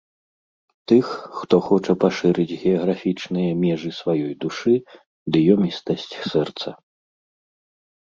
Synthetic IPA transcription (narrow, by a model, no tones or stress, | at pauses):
t̪ɨxːt̪ɔxɔt͡ʂɐpaʂɨɾɨd͡zʲɣʲɛɐɣɾafʲit͡ʂnɨjɐmʲɛʐɨsvajɔjd̪uʂɨ | d̪ɨjɔmʲist̪ɐsʲt͡sʲsɛrt̪sɐ